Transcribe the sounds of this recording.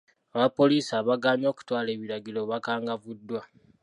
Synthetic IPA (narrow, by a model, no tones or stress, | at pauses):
aβapːo̞liːsaːβaɡaːɲo̞ːku̥twaːle̞ːβiɾaɡilo̞βakaːŋɡavudːwa